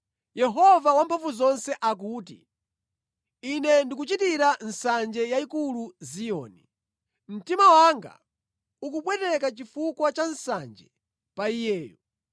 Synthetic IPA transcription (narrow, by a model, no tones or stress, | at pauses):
jɛɦɔvawampʰaɱvuzɔnsɛʔak̬uːt̬ḭ | inɛndik̬ut͡ʃitiɾan̩sand͡ʒɛjaikuluziɔ̰ːni | m̩timawaŋɡa̰ | uk̬upwɛtɛkat͡ʃifukwat͡ʃansand͡ʒɛ | paijɛːjɔ